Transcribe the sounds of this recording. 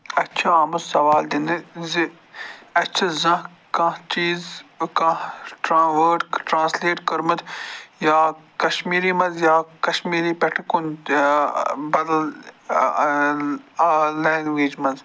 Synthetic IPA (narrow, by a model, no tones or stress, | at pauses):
ɐtːt͡ʃʰaaːmɐsɐʋaːld̪ind̪ɨzi | ɐt͡ʃʰɐzɐ̃ɦ | kɐ̃t͡ʃiːzkɐ̃ʈɾãːʋəːɾʈʈɾãːsleːʈkɐɾmɐt̪jaːkɐʃmiːɾimɐ̃nzjaːkɐʃmiːɾipeʈʰkon | bɐd̪ɐl | lɛ̃ːŋɡwiːd͡ʒmɐ̃nz